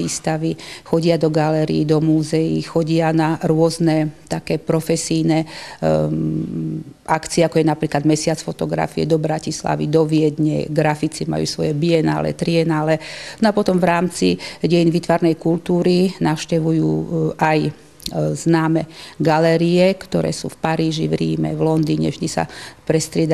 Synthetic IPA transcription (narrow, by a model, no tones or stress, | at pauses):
iːst̪aʋixɔɟɪad̪ɔɡalɛɾḭːd̪ɔmuːzɛjixɔɟɪanaɾʊɔznɛt̪akɛːpɾɔfɛsijnɛ | akt͡siɛakɔjɛnapɾiːklad̪mɛsɪat͡sfɔt̪ɔɡɾa̰fiɛ̰d̪ɔbɾacisla̰ʋḭd̪ɔʋɪɛd̪ɲɛ̰ɡɾafit͡sima̰jṵːsʋɔjɛbiɛna̰ːlɛ̰t̪ɾiɛnaːlɛnɔapɔt̪ɔmvɾaːmt͡sḭɟɛjinʋiːt̪ʋaɾnɛjkult̪uːɾinaʊʃcɛʋujuːʔaj | z̥naːmɛɡalɛɾiɛkt̪ɔɾɛ̰ːsṵːfpaɾiːʒivɾiːmɛ̰ʋlɔnd̪iːɲɛ̰ʒd̪isa̰pɾɛst̪ɾɪɛd̪